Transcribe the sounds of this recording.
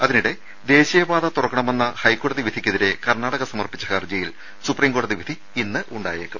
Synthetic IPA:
ɐðiniɽe̞ | d̪e̞ːɕijɐbaːðɐt̪urɐkːɐɳɐme̞nːɐhɐjkːo̞ːɽɐðiʋid̪ʱikʲːeðiɾe̞kɐrnaːɽɐɣɐsɐmɐrpit͡ɕːɐhɐrd͡ʑɐjil | supriːmɡo̞ːɽɐðiʋid̪ʱi | inːɨʔuɳɖa̰ːjeːkːum

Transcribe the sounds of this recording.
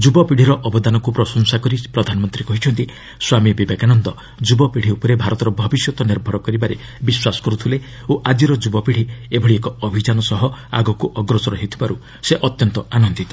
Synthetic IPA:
d͡ʒubɔpiɽ̤iɾɔʔɔbɔd̪anɔkupɾɔsɔnsakɔɾipɾɔd̪ʱanɔmɔnt̪ɾikɔɦit͡ʃʰɔnt̪i | swamibibekanɔnd̪ɔ | d͡ʒubɔpiɽ̤iupɔɾebʱaɾɔt̪ɔɾɔbʱɔbisjɔt̪ɔniɾbʱɔɾɔkɔɾibaɾe | biswasɔ̥kɔɾut̪ʰule | oʔad͡ʒiɾɔd͡ʒubɔpiɽ̤iebʱɔɽiekɔɔbʱid͡ʒanɔsɔɦɔa̰ɡɔkuʔɔɡɾɔsɔɾɔɦit̪ʰibaɾu | seʔɔt̪jɔnt̪ɔanɔnd̪it̪ɔ

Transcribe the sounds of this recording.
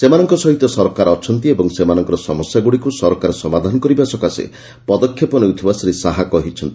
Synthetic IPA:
semanɔŋkɔsɔɦit̪ɔsɔɾkaɾɔt͡ʃʰɔnt̪iebɔŋsemanɔŋkɔɾɔsɔmɔsjaɡuɽikusɔɾkaɾsɔmad̪ʱanɔkɔɾibasɔkasḛ | pɔd̪ɔkʰjepɔnewt̪ʰibasɔɾesaɦakɔɦit͡ʃʰɔnt̪i

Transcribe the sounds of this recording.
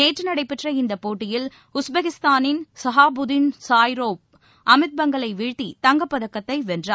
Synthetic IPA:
neːʈrɯnɐɽɐɪpːɪʈrɐɪnd̪ɐpːoːʈːɪjɪl | ʊsbɐɣɪst̪aːnɪnsɐɦaːbʊðɪnsaːjɾoːp̚ | ʔɐmɪt̪̚bɐŋɡɐɭɐɪʋɪɻʈ̪ːit̪ɐŋɡɐpːɐðɐkːɐt̪ːɐɪʋɛndraː

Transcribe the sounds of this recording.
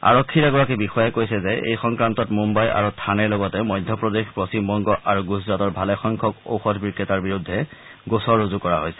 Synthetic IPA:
a̰ɹɔkʰːiɹaɡɔɹakibixɔjɛkojsɛzɛʔḛjxɔŋkɹantɔtmumbaja̰ɹutʰanɛɹlɔɡɔtɛmɔjdʱjɔpɹɔdexpɹɔsimbɔŋɡɔʔaɹuɡuzɹatɔɹbʱalɛxɔŋkʰɔko̰wxɔdʰbikːɛtaɹbiɹudʱːɛ | ɡosɔɹːozukɔɹaɦojsɛ̥

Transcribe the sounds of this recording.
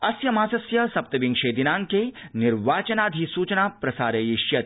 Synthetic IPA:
ɐsjɐmaːsɐsjɐsɐp̚t̪ɐʋiŋɡʃeːd̪inaːŋkenɪɾʋaːt͡ʃɐnaːd̪ʱisuːt͡ʃɐnaːpɾɐsaːɾɐjiʃjɐt̪

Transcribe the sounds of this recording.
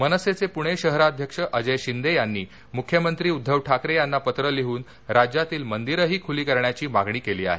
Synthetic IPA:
mənəset͡sepuɽ̃eɕəɦɾaːd̪ʱjəkʂəʔəd͡ʑəjɕind̪ejanːiː | mukʰːjəmənt̪ɾiːud̪ʱːəʋʈʰakɾejanːapət̪ɾəleɦuːn | ɾad͡ʑjat̪iːlmənd̪iɾəɦiːkʰuliːkəɾɳjat͡ɕiːmaɡɳiːkeliːa̰ɦe

